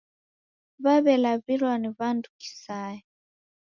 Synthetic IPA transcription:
βaβɛlaβilwaniβanduki̥saɛ

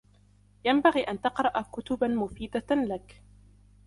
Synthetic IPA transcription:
jambaɣiːʔant̪ɑqɾˤɑʔakʊt̪ʊbamʊfiːd̪alak

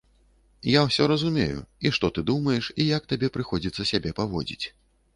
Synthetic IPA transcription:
jawsʲɔɾɐzumʲḛjṵiʂt̪ɔt̪ɨd̪umɐjɛʂijak̚t̪abʲɛpɾɨxɔd͡zʲit̪sɐsʲabʲɛpavɔ̰d͡zʲḭt͡sʲ

